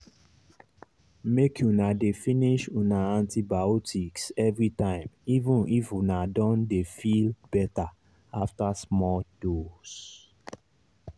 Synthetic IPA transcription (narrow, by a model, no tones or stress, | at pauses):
mekʰjunadefĩniʃunaãntʰibaotʰiksɛvɹitãɪ̃mivũnifunadɔ̃ndefilbɛta | aftasmɔldos